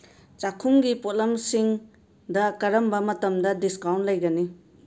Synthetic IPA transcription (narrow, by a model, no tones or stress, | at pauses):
t͡ʃakʰumɡipot̚lɐmsiŋ | dɐkɐɾɐmbɐmɐtɐmdɐdiskawntlɐjɡɐni